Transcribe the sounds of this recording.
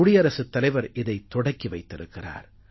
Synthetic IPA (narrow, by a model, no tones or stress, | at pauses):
ʊɽɪjɐɾɐsɯt̪ːɐlɐɪʋɐɾɪðɐɪt̪ːɔɽɐkːiʋɐɪt̪ːɪɾɯkːɪra̰ːɾ